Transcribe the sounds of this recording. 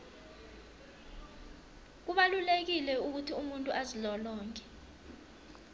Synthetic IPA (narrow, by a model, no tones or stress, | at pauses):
k̬uɓalulek̬ilɛuk̬utʰiumuntʼuʔazilɔlɔːŋkʰʼɛ̥